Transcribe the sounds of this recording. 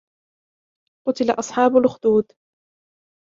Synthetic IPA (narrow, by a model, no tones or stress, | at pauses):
qʊt̪ɪlaʔɑsˤħɑːbʊlxʊd̪uːd̪